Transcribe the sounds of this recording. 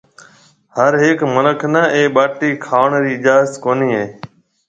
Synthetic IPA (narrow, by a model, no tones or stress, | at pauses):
həɾɦeːkmələkʰnəʔeːɓaːʈiːkʰaːʋəɳɾiːɪʄaːət̪koːniːɦeː